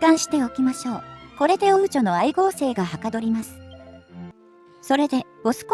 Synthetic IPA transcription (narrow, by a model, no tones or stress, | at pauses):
kãɰ̃ɕi̥t̪e̞o̞kʲimaɕo̞ːko̞ɾe̞d̪e̞oɯ̟t͡ɕo̞no̞aiɡo̞ːse̞ːɡahakad̪o̞ɾʲimasɨ̥ | so̞ɾe̞d̪e̞ | osɨ̥k